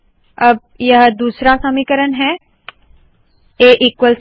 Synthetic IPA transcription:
ɐb̚ | jɐɦd̪uːsɾasɐmikəɾənɦɛː | eːʔɪkwəls

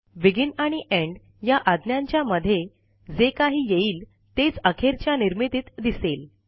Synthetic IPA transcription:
ʋiɡinaɽ̃iʔeɳɖ | jaʔad̪njãɲt͡ɕjaməd̪ʱːje | d͡zekaɦiːjeiːl | t̪et͡səkʰeɾt͡ɕjaniɾmit̪it̪d̪isel

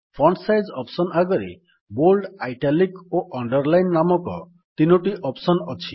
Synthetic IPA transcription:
pʰɾɔɳsajd͡ʒɔpsɔnaɡɔɾḛ | bolɖajʈalikoʔɔɳɖɔɾlajnːamɔkɔ̰ | t̪inoʈiʔɔpsɔnɔt͡ʃʰi

